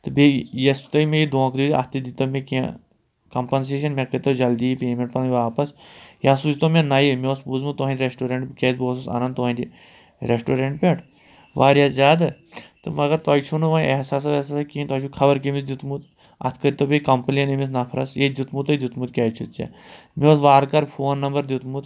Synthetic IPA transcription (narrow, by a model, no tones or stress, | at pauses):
t̪ɨbʱejɐst̪ɐjmejid̪õːkd̪uiɐ̰t̪id̪it̪ɐmʲẽkẽ | kɐmpɐns̬eːʃɐnmʲẽkɐɾʲt̪ɐd͡ʒɐld̪iːpeːmeɳʈpɐniʋaːpɐsjasuːt͡ʃt̪omʲẽnɐjimeospuːzmɨt̪uɦɐ̃nd͡ʒʲɾesʈoːɾeɳʈkʲesboːsusa̰ːnɐnd̪t̪uɦɐ̃nʲd͡ʒʲi | ɾesʈoːɾeɳʈ̚pʲeʈʰ | ʋaːɾjazaːd̪ɨt̪ɨmɐɡɐɾt̪ɐjt͡ʃʰunuʋɐ̃eɦsaːs̬ɐesasɐkiːnt̪ɐt͡ʃʰukʰɐbɐɾkimisd̪ut̪mut̪ | ɐ̰t̪ʰkɐɾʲt̪ɐbikɐmpɐlijɐnemis̬nɐpʰɐɾɐ̰sjed̪ʲut̪mut̪ɐd̪ʲut̪mut̪̚kʲɐːjt͡ʃʰut̪t͡ʃa̰ | mʲiosʋaːɾkɐɾpʰoːnːɐmbɐɾd̪ʲut̪mut̪